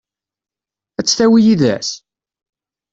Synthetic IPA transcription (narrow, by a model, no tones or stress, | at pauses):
æt͡sːθæwijiðæ̰s